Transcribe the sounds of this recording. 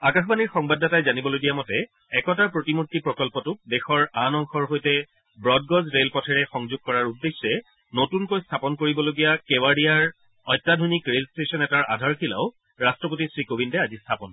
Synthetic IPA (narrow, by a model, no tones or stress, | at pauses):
akaxɔbaniɹxɔŋbadʱːatajzanibɔloɡijamɔtɛ | ɛkɔtaɹpɹotimutːipɹɔkɔlpɔtʊdɛxɔɹanɔŋxʰɔɹɦojtɛ | bɹɔd̚ɡɔzɹelpɔtʰɛɹɛxɔŋzuɡ̚kɔɹaɹudːesːɛ | notunkojstʰapɔnkoɹibɔloɡijakɛwaɖijaɹ | ɔjtːadʱonikɹelstesɔnɛtaɹa̰dʱaɹkʰila̰ʊ | ɹastɹɔpotisɹikobindɛazistʰapɔn